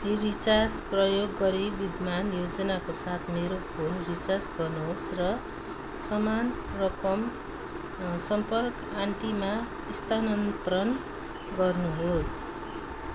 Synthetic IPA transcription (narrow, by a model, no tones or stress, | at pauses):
riɾit͡sard͡zprʌjoɡːʌɾibid̪ʱmanjod͡zʌnakosat̪ʰmeɾopʰolrit͡sard͡zɡʌrnuɦosrʌ | sʌmanrʌkʌm | sʌmpʌrk | aɳʈima | ist̪ʰanʌnt̪ɾʌn | ɡʌrnuɦos